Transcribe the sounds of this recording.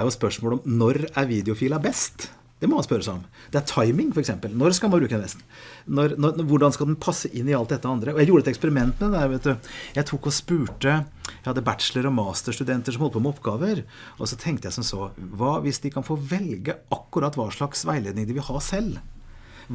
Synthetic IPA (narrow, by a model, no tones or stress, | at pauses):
æɾjʊspœʂmoːlɔmnɔɾæɾʋiːd̪ɛʊfiːlɑbɛst̪ | d̪̥ɛmɔmɑnspœɾəsæɪɔm | d̪̥ɛæʈʰɑɪmɪŋfɔɾɛksɛmpəlnɔɾskɑlmɑnbɾʉːkəbɛst̪ | nɔɾnɔɔʋʊɖɑnskɑld̪ɛnpʰɑsːəʔɪnːɪɑlt̪̚d̪ɛt̪ːəɑnd̪ɾəɔjæɪjuːɾəɛt̪ɛkspəɾɪmɛnt̪mɛd̪ɛd̪æɾʋeːt̪̚d̪ʉjæɪt̪ʰukːɔspʉːʈəjæɪhɑd̪ːəbæt̪ʂləɾɔmɑːst̪əʂʈʉd̪ɛnt̪əʂɔmhɔlːəpʰɔməɔpːɡɑːʋəɾ | ʔɔsɔt̪ʰɛŋkt̪əjæɪsɔmsoːʋɑːʋɪsd̪ɪkʰɑnfoːʋɛlɡəʔɑkːʉɾɑt̪ːʋɑːʂɭɑksʋæɪleːd̪nɪŋd̪ɪʋɪlhɑsɛlː